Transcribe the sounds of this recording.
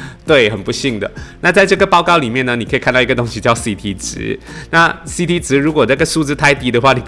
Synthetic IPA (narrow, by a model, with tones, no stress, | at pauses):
t̪we˥˩ɪxə˨˩npu˧˥ɕi˥˩ŋd̪ə̰˩na˥˧t͡sa˥ɪʈ͡ʂɤ˥˩ɡə˩pɑ˥˧ʊkɑ˥˧ʊli˨˩mjɛ˥˩nə˩ni˨˩kʰkʰa˥˧nt̪ɑ˥˩˧ɡə˧t̪ʊ˥ŋɕi˧t͡ɕjɑ˥˧ʊsi˥˧˩t̪ʰi˧˥ʈ͡ʂɻ̩̰˧˥˦na˥˧si˥˩t̪ʰi˥ʈ͡ʂɻ̩˧˥ɻu˧˥kwɔ˨˩na˥˩ɡə˩ʂu˥˧t͡sɹ̩˥˧t̪ʰa˥˧ɪt̪i˧˥d̪ə˧xwa˥˩ni˨˩p